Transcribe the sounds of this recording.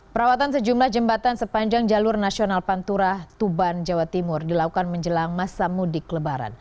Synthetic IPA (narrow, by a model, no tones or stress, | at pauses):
pəɾawat̪ansəd͡ʒumlahd͡ʒəmbat̪ansəpaɲd͡ʒaŋd͡ʒalʊrnasionalpant̪uɾaht̪uband͡ʒawat̪imʊrdilakukanməɲd͡ʒəlaŋmasamudikələbaɾa̰n